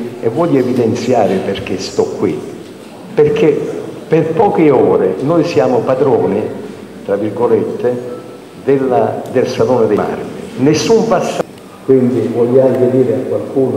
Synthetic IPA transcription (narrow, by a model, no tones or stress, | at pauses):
ɛ̰vːɔʎːevid̪ent̪sjaːɾɪperk̟est̪ɔkːwḭ | pɪrk̟ʰeperpɔːk̟ɪɔːɾɪnɔjsjaːmopad̪ɾɔːnɪ | t̪ɾavirɡolet̪ʰːɪ | d̪elːad̪elsaloːnɪd̪ema̰rt̪ɪ̰nesːuɱpasː | kwind̪ivɔlːaŋk̟ed̪iːɾeakːwalkuːn